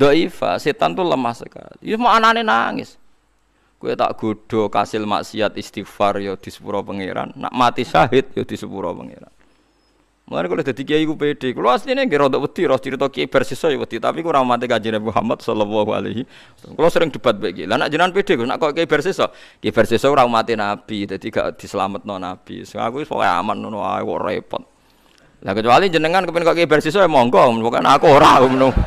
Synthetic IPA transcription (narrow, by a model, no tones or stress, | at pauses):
d̪̥ɔʔifa̰set̪ant̪uləmahsəka̰lḭsmɔananenaŋɪ̰s | kuɛt̪a̰ʔɡ̥oɖ̥ɔ̤ka̰sɪlma̰ʔsiat̪ist̪ifarjod̪̥i̤sə̥pṵɾɔpəŋḛɾa̰nːa̰ʔmat̪isaɦɪt̪̚jod̪̥i̤səpuɾɔ̰pə̰ŋḛɾa̰n | mṵla̰nekulɔd̪̥a̤d̪̥ikeikupeɖ̥e̤kuluast̪ineŋɡɪɾɔd̪ɔʔwəd̪̥iɾɔst͡ʃiɾit̪ɔkeb̥ɛrsisɔjowəd̪it̪apikuɾamamat̪ikad͡ʒinabmuɦa̰mat̪̚sɔlɔwɔɦua̰lḛɦi | kulɔsəɾɪŋd̪̥ə̤b̥a̤t̪̚bɛʔkilanaʔd͡ʒənanpeɖ̥e̤kuna̰ʔkɔkeb̥ɛrsesɔkeb̥ɛrsesɔkuɾaumat̪enab̥id̪̥a̤d̪̥iɡ̥a̰ʔd̪̥i̤səla̰mət̪̚nɔnab̥ḭsəŋa̰kuɔ̰kɔ̰ja̰manːunoa̰wɔ̰ʔrɔ̰ḛpɔ̰t̪̚ | lakət͡ʃuwaliɲd͡ʒənəŋankəpɪnkɔʔkebɛrses̬ɔmɔŋkɔmpɔkɔjnakuoɾaumənʊm